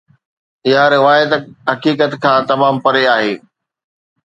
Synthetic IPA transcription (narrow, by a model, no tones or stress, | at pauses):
ɪɦaɾɪʋaːɪd̪ɦɐkiːkət̪kʰãːt̪ɐmaːmpɐɾeaːɦeː